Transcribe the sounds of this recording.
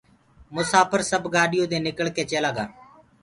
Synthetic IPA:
mʊsaːpəɾsəbɡaːɖɪjõːd̪eːnɪkəɭkeːt͡ʃelaːɡaː

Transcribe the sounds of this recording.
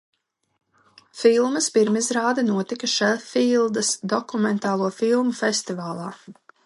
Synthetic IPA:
filˠmɐspiɾmizɾaːd̪ɛnuɔt̪ikɐʃɛlfiːlˠd̪ɐsd̪ɔkumɛnt̪aːlˠuɔfilˠmufɛst̪ivaːlˠɑː

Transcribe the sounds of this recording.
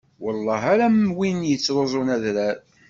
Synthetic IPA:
wəlˤːɑɦaɾæmwinjət͡sːɾozˤʊnæðɾæɾ

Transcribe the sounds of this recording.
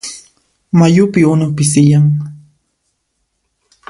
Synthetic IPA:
majʊpɪʊnapɪs̬ɪjaŋ

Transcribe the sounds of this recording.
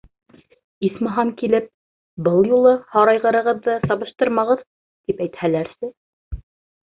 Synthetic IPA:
ismɤ̆ɦɑŋkilɘp̚ | bɤlˠjulˠɤhɑɾɑjʁɤ̆ɾɤ̆ʁɤ̆ðːɤsɑβɤ̆ʃt̪ɤɾmɑʁɤð | t̪ipæjt̪hælæɾsɘ

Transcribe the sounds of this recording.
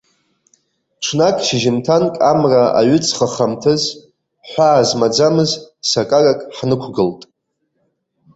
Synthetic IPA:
ʈ͡ʂʷʰnakʼʃɪʒɪmtʰankʼamraa̰ɥʏt͡sʰχaχamtʰɨz | ħʷaːzmad͡zamɨzsakʼarakʼħnɨkʷʰɡɨltʼ

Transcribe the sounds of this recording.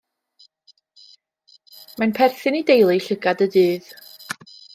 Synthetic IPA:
manpʰɛrθɪnidejlˠiɬəɡadədɨːð

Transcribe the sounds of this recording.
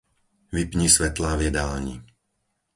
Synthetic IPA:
ʋipɲisʋɛt̪laʋjɛd̪aːlɲḭ

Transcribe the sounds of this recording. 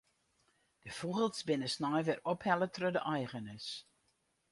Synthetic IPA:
d̥əfuɣəlˠtsbɪnəsnɔjʋɪrɔphɛlˠətʰrødəʔajɣənəs

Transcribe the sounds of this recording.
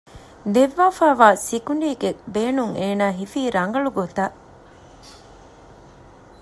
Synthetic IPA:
d̪eʋːaːfaːʋaːsikuɳɖiːɡebeːnuŋeːnaːɦifiːɾɐŋɡɐɭuɡot̪a

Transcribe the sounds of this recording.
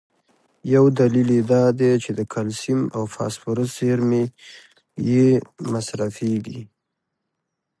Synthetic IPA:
jawd̪aliled̪ɑd̪et͡ʃed̪əkʰalsimawfɑ̰spʊɾəseɾme | jemasɾafeɡi

